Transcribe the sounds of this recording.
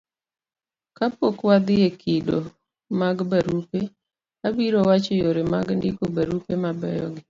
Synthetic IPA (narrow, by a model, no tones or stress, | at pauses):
kapokwad̪ɪjekʰido | maɡbaɾupe | abiɾowat͡ʃɔjoɾemaɡndɪkobaɾupemabɛjɔ̰ɡɪ